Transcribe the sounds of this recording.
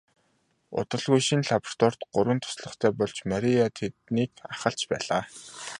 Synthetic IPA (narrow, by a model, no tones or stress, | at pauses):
ʊ̰t̪ə̆ɮɣujʃinɮapr̥t̪ɔr̥t̪ɢʊɾwə̆nt̪ʰʊ̥sɮɞ̆χt̪ʰæːpɔɮt͡ɕmaɾʲiat̪ʰet̪niːkaχə̆ɬt͡ɕpæːɮaː